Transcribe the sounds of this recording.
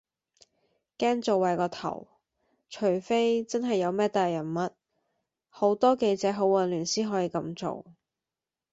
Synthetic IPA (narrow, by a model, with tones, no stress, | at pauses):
kɛː˥ŋt͡so˨wːɐ˨˧jkɔː˧t̪ʰɐ̰˨˩w | t͡ʃʰɵ˨˩ɥfe˥jt͡sɐ˥nɦɐ˨jːɐ˨˧wmɛː˥t̪aː˨jːɐ˨˩nmɐ˨t̚ | ho˨˥wt̪ɔː˥ke˧jt͡sɛː˨˧ɦo˨˥wɐ˨˩nlyː˨˩nsiː˥ɦɔː˨˥jiː˧kɐ˧mt͡so̰˨˧w